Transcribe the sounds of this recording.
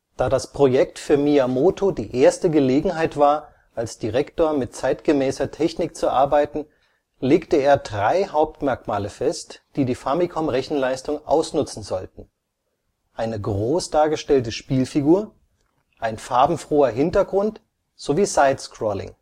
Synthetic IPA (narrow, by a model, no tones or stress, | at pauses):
d̥aːdaspʁ̥ojɛktfyːɐmiamoːtʰodiːʔeːɐstəɡəleːɡŋ̩ɦaɪtv̥aːɐ | ʔalsd̥iʁɛktoːɐmɪt̚t͡saɪtɡ̥əmɛːsɐtʰɛçnɪk̚t͡suʔa̰ɐbaɪtn̩ | leːktəeːɐdʁaɪɦaʊp̚tmɛɐkmaːləfɛstd̥iːdiːfamikʰɔmʁɛçn̩laɪstʊŋʔa̰ʊsnʊt͡sn̩zɔltn̩ | ʔaɪnəɡʁoːsd̥aːɐɡəʃtɛltəʃpiːlfiɡuːɐ | ʔaɪnfaɐbm̩fʁ̥oːɐɦɪntɐɡʁʊnt | z̥oviːzaɪtskʁ̥ɔlɪ̰ŋ